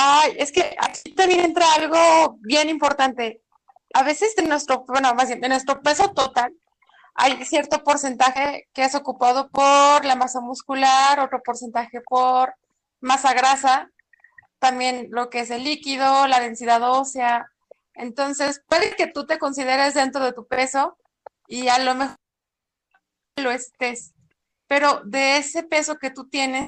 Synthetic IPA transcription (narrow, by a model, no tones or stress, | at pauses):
aje̞ske̞ʔa̰kʰit̪ambjene̞nt̪ɾaalɣo̞βje̞nimpo̞ɾt̪ant̪e̞ | aβ̞e̞se̞senːwe̞st̪ɾo̞wenomazβjenenːwest̪ɾo̞pe̞so̞t̪ot̪al | a̰jsje̞ɾt̪o̞po̞ɾse̞nt̪axe̞keeso̞kupað̞o̞poɾlamasamuskulaɾo̞t̪ɾo̞po̞ɾse̞nt̪axe̞poɾ | masaɣɾasa | t̪ambje̞nlo̞kees̬e̞lːikið̞o̞lað̞e̞nsiðaðo̞sja | ent̪o̞nse̞skwalke̞t̪ut̪e̞ko̞nsiðe̞ɾezðe̞nt̪ɾo̞ðe̞t̪upe̞so̞ | ialo̞me̞x | lo̞est̪e̞s | pe̞ɾo̞ðe̞ese̞pe̞so̞ke̞t̪ut̪je̞nes